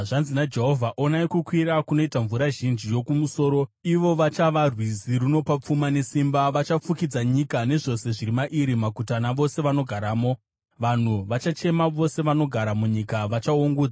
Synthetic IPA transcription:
ʐanzinad͡ʒe̞ɦo̞vʱaʔo̞naikukwiɾakuno̞itaɱvuɾaʒind͡ʒijo̞kumuso̞ːɾo̞iʋo̞ʋat͡ʃaʋarwiziɾuno̞pap͡fumane̞simbaʋat͡ʃap͡fukid͡zaɲikane̞ʐo̞se̞ʐiɾimaʔiɾimakutanaʋo̞se̞ʋano̞ɡʱaɾaːmo̞ | ʋan̤uʋat͡ʃat͡ʃe̞maʋo̞se̞ʋano̞ɡʱaɾamuɲikaʋat͡ʃaoŋɡuːd͡za

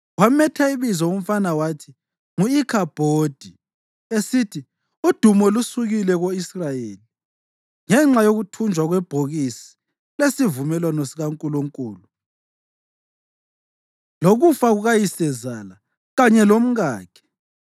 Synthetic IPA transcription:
wamɛtʰaiβizɔom̩fanawatʰi̥ | ŋuikʰab̥ʱoːd̥ʱi | esitʰi | ud̥ʱumɔlusuɣilɛɣoisrajeːli | ŋɛŋ͡ǁajoɣutʰund͡ʒʱwaɣwɛb̥ʱoɣisi̥ | lesivumɛlwanɔsiɣaŋkʼuluŋkʼuːlu | loɣufaɣuɣajisɛzala | ɣaɲɛlom̩ɣaːkʰɛ̥

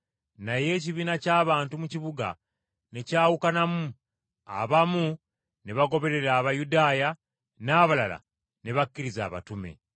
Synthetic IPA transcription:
naje̞ːciβiːnacaːβaːntumuciβuɡa̰ | necaːwukanamu | a̰βamu | neβaɡo̞βe̞ɾe̞ɾaːβajudaːja | naːβalala̰ | ne̞βakːiɾizaːβa̰tume̞̰

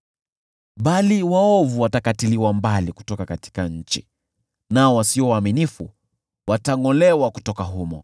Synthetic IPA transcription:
ɓaliwaɔvuwatakatiliwambaliku̥tɔkakati̥kaɲ̩t͡ʃi | naɔwasiɔwaːminifṵ | wataŋɔlɛwaku̥tɔkaɦumɔ̰

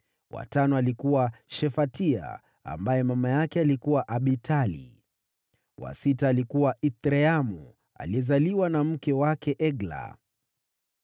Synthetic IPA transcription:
wa̰tanɔalikuwaʃɛfatia̰ | a̰mbajɛmamajakɛalikuwaʔaɓitʰalḭ | wa̰sitaːlikuwaʔit̪ɾɛamu | a̰liɛzaliwanam̩kɛwakɛʔɛɡla̰

